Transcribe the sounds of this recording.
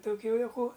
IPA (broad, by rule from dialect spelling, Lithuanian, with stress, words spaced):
toːˈkʲuː juɔˈkuː